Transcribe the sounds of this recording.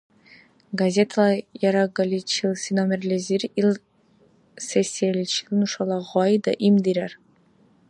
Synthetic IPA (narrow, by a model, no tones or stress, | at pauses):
ɡazʲet̪ʰalˠɑjɑɾɑɡalʲit͡ʃilˠsinomʲeɾlʲeziɾilˠ | sesʲːialʲit͡ʃilˠnuʃɑlˠɑʁɑjd̪ɑʔimd̪iɾæɾ